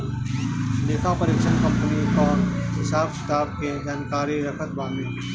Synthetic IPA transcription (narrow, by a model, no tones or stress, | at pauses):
leːkʰapəɾeːkʃənkɐ̃mpənikɔːnɦɪsaːbkɪ̥t̪aːb̚ked͡ʒaːnkaːɾiɾɐkʰət̪bãːnẽː